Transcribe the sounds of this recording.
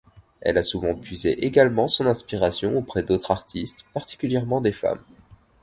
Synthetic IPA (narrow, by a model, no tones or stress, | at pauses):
ɛ̰lasuvɑ̃pɥizeʔeɡalmɑ̃sɔ̃nɛ̃spiʁasjɔ̃opχɛd̪ot̪χaʁt̪ʰist̪paʁt̪i̥kʲyljɛʁmɑ̃d̪efa̰m